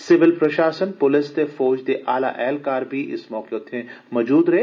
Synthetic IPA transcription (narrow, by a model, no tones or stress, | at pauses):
sɪʋɪlpɾɐʃaːsənpʊlɪst̪efɔːd͡ʒd̪eʔaːla̰ʔɛːlkaːɾbʱiʔɪ̰smɔːkeot̪ʰːẽmɔːd͡ʒuːd̪ɾɐɦeː